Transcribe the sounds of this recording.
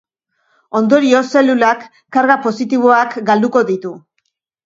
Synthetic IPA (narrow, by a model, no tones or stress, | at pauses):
o̞nd̪o̞ɾio̞se̞lulakː | aɾɣapo̞sit̪iβ̞o̞akɡald̪uko̞ðit̪u